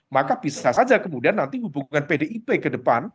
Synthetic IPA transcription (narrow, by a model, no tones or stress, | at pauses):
makab̥isasad͡ʒakəmudianːant̪iɦubuŋanpedeʔipekədəpan